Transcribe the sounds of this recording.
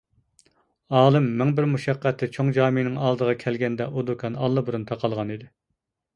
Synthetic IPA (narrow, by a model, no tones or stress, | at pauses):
ɑːlˠɨmːɪŋbɪɾmuʃɛqːæt̪ʰːɪt͡ʃʰoŋd͡ʒɑːmɪnɪŋɑlˠd̪əʁɑkʲʰɛlɡʲɛnd̪ɛʔud̪ukʰɑnɑlˠːɨbuɾunt̪ʰɑqʰɑlˠʁɑnid̪ɪ